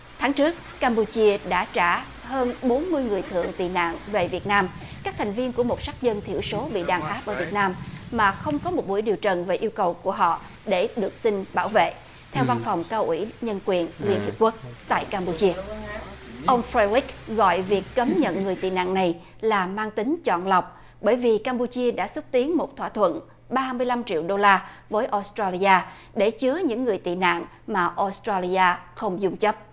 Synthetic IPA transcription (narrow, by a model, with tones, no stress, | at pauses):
t̪ʰaː˨˦ŋt͡ɕɨ˦˥ək̚ːaː˧mpu˧t͡ɕi˧əɗa̰ː˧˥t͡ɕaː˧˩ | həː˧nɓo˨˦nmɨ˧əjŋɨ˨˩əjt̪ʰɨ̰˧˨əŋt̪ḭ˨˩na̰ː˧˨ŋve˨˩vi˨˩ət̚naː˧m | kaː˦˥k̚t̪ʰa˨˩ŋ̟vi˧ənku˧˩əmo˨˩t̚sa˦˥k̚zə˧nt̪ʰi˧˩əwso˨˦ɓḭ˧˨ɗaː˨˩nʔaː˦˥p̚ʔəː˧˩vi˨˩t̚naː˧mːaː˨˩xə˧wŋ͡mkɔ˨˦mo˨˩t̚mu˧˩˦jɗi˨˩əwt͡ɕə˨˩nve˨˩ʔi˧əwkə˨˩wku˧˩əɦɔ̰˧˨ | ɗe˧˩ɗɨ˨˩ək̚sï˧ŋ̟ɓaː˧˩wvḛ˧˨ | t̪ʰɛ˧wva˧nfa˨˩wŋ͡mkaː˧wʔi˧˩ɲə˧nkwi˨˩ənli˧ənhḭ˨˩p̚ku˦˥ək̚t̪a̰ː˧˨jkaː˧mpu˧t͡ɕi˧ə | ʔə˧wŋ͡mfɾe˧li˦˥k̚ɣɔ̰˧˨jvi˨˩əkːə˨˦mɲə̰˧˨nŋɨ˨˩əjt̪ḭ˧˨na̰ː˧˨ŋna˨˩j | laː˨˩maː˧ŋt̪ï˨˦ŋ̟t͡ɕɔ̰˧˨nla˨˩wk͡p̚ | ɓəː˧˩jvi˨˩kaː˧mpu˧t͡ɕi˧əɗa̰ː˧˥sə˦˥t̚t̪i˨˦ənmo˨˩t̚t̪ʰwaː˧˨t̪ʰwə̰˧˨n | ɓaː˧mɨ˧əjla˧mt͡ɕḭ˧əwɗo˧laː˧vəː˨˦jʔo˧˥st̪ɾaː˧li˧aː˧ | ɗe˧˩t͡ɕɨ˨˦əɲɨ̰˧˥ŋːɨ˨˩əjt̪ḭ˧˨na̰ː˧˨ŋ | maː˨˩ʔo˧˦˥st̪ɾaː˧li˧ʔaː˧xə˧wŋ͡mzʊ˧ŋ͡mt͡ɕə˦˥p̚